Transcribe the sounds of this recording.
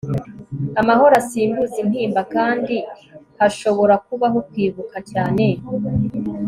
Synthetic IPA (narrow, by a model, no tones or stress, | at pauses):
amaho̞ɾasiːmbuzin̥hiːmbakaːndi | haʃo̞βo̞ɾakuβaɦo̞kwiːβukʰacaːne̞